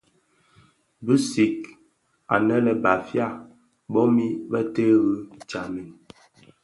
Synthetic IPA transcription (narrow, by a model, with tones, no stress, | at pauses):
bʉ˦si˨k | a̰˨nɛ˦lə˨ba˨fja˦˨ | ɓɔ˦mi˦bə˦te˦ɣʉ˦t͡ʃa˨mi˨n